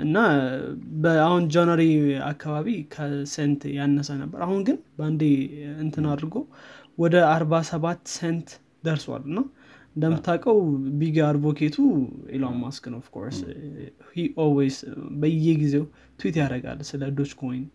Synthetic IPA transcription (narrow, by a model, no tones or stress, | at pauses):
ʔɨnːa | bəahund͡ʒanaɾia̰kʰːaβaβikʰəsent̪janːəsanəbːə̰ɾahunɡɨnband̪eɨnt̪ʰɨnad̪ɾɡo̞wwɔd̪əaɾβasəβat̪ːsent̪ | d̪əɾswa̰lːɨnːa | ɨnd̪əmɨt̪ʰːakʼəwbiɡaɾbokʰet̪ʰuḛlamːaskɨnofkʰo̞̰ɾs | hiʔolwezbəjːɛɡize̞w | t̪ʰwit̪jaɾəɡa̰lsɨləd̪o̞t͡ʃːkʰo̞jn